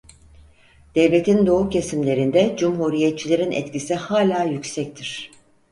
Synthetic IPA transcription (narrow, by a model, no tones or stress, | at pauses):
d̪̥ɛvlʲe̞t̪ʰind̪o̞ucʰesimlʲe̞ɾind̪ɛd͡ʒumɦuɾijet̪̚t͡ʃʰilʲe̞ɾinʔɛ̰t̪cisihaːlʲaːjycʲsɛc̚t̪ʰiɾ̥